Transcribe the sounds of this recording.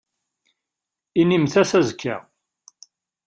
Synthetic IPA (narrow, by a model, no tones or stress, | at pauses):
inimθæsæzkʰːə̰ʁ